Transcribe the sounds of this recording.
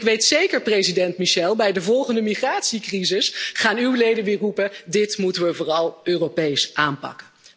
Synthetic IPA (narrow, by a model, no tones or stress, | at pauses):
kʋejtsejkəɹprejzidɛntmiʃɛlˠbɛjdəvɔlˠχəndəmiχraːtsikrizɪsχaːnywlejdənʋɪːrupədɪtmutənʋəvʊːrɑlˠøːropejsʔaːnpɑ̰kə